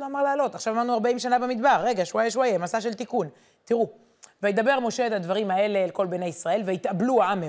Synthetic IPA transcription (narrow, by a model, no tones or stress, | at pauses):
loamaʁlaːlo̞t̪aχʃavamad̪nuaʁbaimʃanabemid̪baʁːe̞ɡaʃuajeʃ̬uajemasaʃ̬elt̪ikun | t̪iʁu | vajed̪abe̞ʁmo̞ʃe̞et̪ad̪vaʁimae̞le̞leko̞lbene̞jisʁae̞lveit̪abluaame